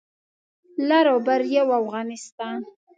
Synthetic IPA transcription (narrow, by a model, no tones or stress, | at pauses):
laɾobaɾjawafɣɑnɪst̪ɑn